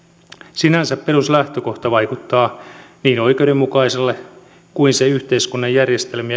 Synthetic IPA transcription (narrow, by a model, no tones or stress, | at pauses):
sinænsæppe̞ruslæht̪øko̞ht̪ɑʋɑikut̪ːɑːniːno̞jk̟e̞udemmukɑiselːe | kuinseyht̪eiskunːɑjjærjest̪elmiæ